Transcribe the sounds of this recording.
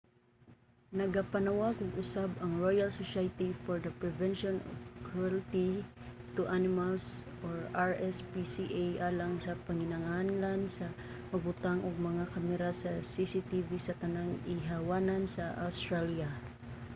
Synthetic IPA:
nɐɡapanawakʊɡʔʊsabɐŋɹojalsosajt̪ifɔɹd̪ɐpɹɛvɛnʃɔnɔ̰vkʰalt̪i | t̪ʊʔanɪmals | ʔoɹaɹʔɛspisiʔajʔaːlaŋsɐpɐŋɪnɐŋanlansɐ | mɐɡbʊt̪aŋʔoɡ̚mɐŋakamɛɾasɐsisit̪ivisɐt̪ɐnaŋɪɦawaːnansɐʔawst̪ɾalja

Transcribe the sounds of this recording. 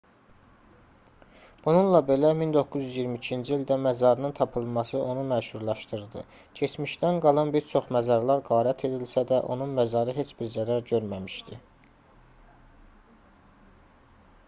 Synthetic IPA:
b̥ununlˠɑbe̞læmind̪o̞kːuzyzjiɾmicʰind͡ʒiilʲd̪æmæzɑɾɯnɯnt̪ʰɑpʰɯlˠmɑsɯʔo̞numæʃhuɾlˠɑʃt̪ɯɾd̪ɯ | cʰe̞t͡ʃmiʃt̪ænɡɑlˠɑnbiɾt͡ʃʰo̞χmæzɑɾlˠɑɾɡɑːɾæt̪ʰe̞d̪ilsæd̪æʔo̞nunmæzɑɾɯɦe̞t͡ʃb̥iɾzæɾæɾɟøɾmæmiʃd̪i

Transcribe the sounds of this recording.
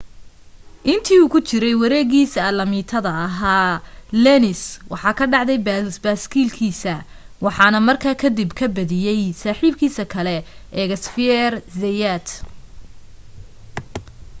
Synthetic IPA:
ʔɪnt̪ʰiːuːkʰʊt͡ʃɪɾɛjwɐɾɛːɣiːsɐɐlɐmiːt̪ʰɐðɐːɦaːlɛnɪswɑħɑːkʰɐɖɑʕd̪ɛjbasbaːskʰiːlkʰiːsɐ | wɑħɑːnɐmɐrkʰaːkʰɐd̪ɪbkʰɐbɐðɪjɛjsaːħiːb̚kʰiːsɐkʰɐlɛʔɛːɣɐsfɪɛrzɛjat̪

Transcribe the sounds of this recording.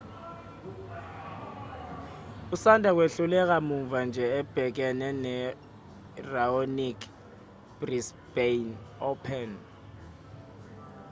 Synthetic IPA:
usandʱak̬weɬulɛk̬amuɱvand͡ʒʱɛɛb̥ʱɛk̬ɛnɛnɛ | raonikʰ | b̥ris | b̥enɔpʰɛn

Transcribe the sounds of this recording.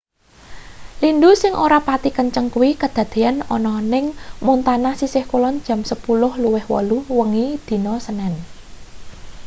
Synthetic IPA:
lindusɪŋʔoɾapat̪ikəɲt͡ʃəŋkuwikəd̪̥ä̤d̪̥e̤anɔ̰nɔnɪŋmunt̪anasisɪhkulɔnd̥d͡ʒʒ̥ä̤msəpulʊhluwɪhwɔ̰luwəŋid̪̥i̤nɔsənɛn

